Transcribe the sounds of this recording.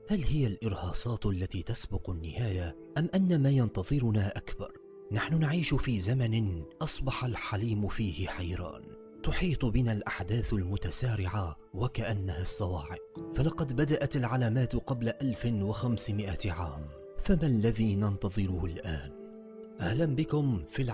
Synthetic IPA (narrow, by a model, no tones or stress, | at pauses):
halhɪjalʔɪɾhɑːsˤɑːt̪ʔalːat̪iːt̪asbʊqanːɪhaːja | ʔamʔanːamaːjɑnt̪ɑðˤɨɾʊnaːʔakbɑ̰ɾˤ | naħnʊnaʕiːʃʊfiːzamanɪʔɑsˤbɑħalħaliːmʊfiːhɪħajɾˤɑ̰ːn | t̪ʊħiːt̪ˤʊbɪnaːlʔaħd̪aːθalmʊt̪asaːɾɪʕa | wakaʔanːahasˤːɑwɑːʕɪqfalɑqɑd̪bad̪aʔat̪alʕalaːmaːt̪qɑblaʔalfɪnwaxamsmɪʔat̪ɪʕaːm | famalːaðiːnɑnt̪ɑðˤɨɾʊhʊlʔaːn | ʔahlanbɪkʊmfilʕ